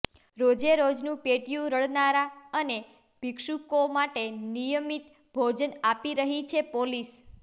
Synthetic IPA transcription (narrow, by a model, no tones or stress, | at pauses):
ɾod͡ʒeɾod͡ʒnũpeʈjũɾəɭnaɾaəne | b̥ʱikʃukomaʈenijəmit̪ | bʱod͡ʒənapiɾəɦit͡ʃʰepolis